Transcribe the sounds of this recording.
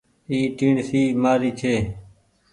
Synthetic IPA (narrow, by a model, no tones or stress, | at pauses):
iːʈiːɳsiːmaːɾiːt͡ʃʰeː